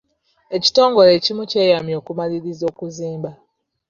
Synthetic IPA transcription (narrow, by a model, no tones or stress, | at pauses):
e̞ci̥to̞ːŋɡo̞lecimuce̞ːjamjo̞ːkumaliɾizo̞ːkuziːmba